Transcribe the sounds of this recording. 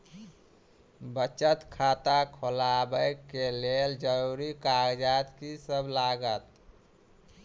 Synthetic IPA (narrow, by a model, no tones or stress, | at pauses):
bət͡ʃət̪kʰat̪akʰolabəjkːeleld͡ʒəɾuɾikaɡd͡ʒat̪kisəbʱlaɡət̪